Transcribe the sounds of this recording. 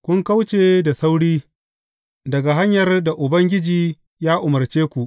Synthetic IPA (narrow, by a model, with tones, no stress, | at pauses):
kʷʊ˦ŋka˦wt͡ʃeː˦˨da˨sa˦wɽiː˦ | dɐ˨ɡa˨ɦa˦ɲjɐ˨rda˨ʔʊ˨bɐ˦ŋɡʲɪ˦d͡ʒiː˦ | jaː˦ʔʊ˨mɐ˨rt͡ʃeː˦kʷu˨ʔ